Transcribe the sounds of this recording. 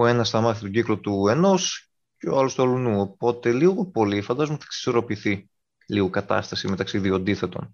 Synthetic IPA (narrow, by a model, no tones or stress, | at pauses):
oe̞nɐsθɐmɐθit̪o̞ɟiklo̞t̪ue̞no̞s | ceoɐlost̪uɐlunuo̞po̞t̪e̞liɣo̞po̞lifɐnd̪ɐzoumuθɐ̥ksi̥so̞ɾo̞piθi | liɣokɐt̪ɐ̰st̪ɐsimet̪ɐksiðioɐnd̪iθe̞t̪o̞̰n